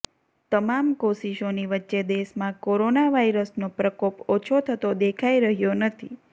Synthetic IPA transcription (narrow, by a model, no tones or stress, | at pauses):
t̪əmamkoʃiʃoniʋətːʃed̪eʃmãkoɾonaʋaiɾəsnopɾəkopot͡ʃʰot̪ʰət̪od̪ekʰaiɾəɦjonət̪ʰḭ